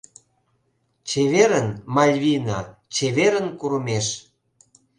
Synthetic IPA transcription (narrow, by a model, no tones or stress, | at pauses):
t͡ɕeβeɾənmɑlʲβʲinɑt͡ɕeβeɾənkuɾəmeʃ